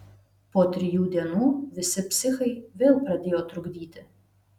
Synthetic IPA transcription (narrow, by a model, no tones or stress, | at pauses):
poːt̪ʲɾʲɪjuːd̪ʲiɛnuːʋʲɪsʲɪpʲsʲɪxɐɪʋʲeːlˠpɾɐd̪ʲeːjoːt̪ɾʊɡʲd̪ʲiːt̪ʲɪ